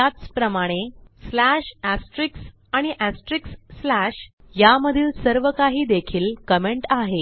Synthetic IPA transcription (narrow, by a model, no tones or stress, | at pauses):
at͡spɾəmaɽ̃eslæɕæsʈɾiks | aɽ̃iʔæsʈɾiksːlæɕ | jaməd̪ʱiːlsəɾʋəkaɦiːd̪ekʰiːlkəmeɳʈaɦe